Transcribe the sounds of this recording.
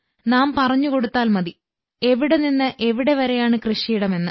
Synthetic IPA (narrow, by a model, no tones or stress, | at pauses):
naːmpɐrɐɲːuko̞ɽut̪ːaːlmɐði | e̞ʋiɽe̞ninːɨʔe̞ʋiɽe̞ʋɐɾe̞jaːɳɨkrɨʂijiɽɐme̞nːɨ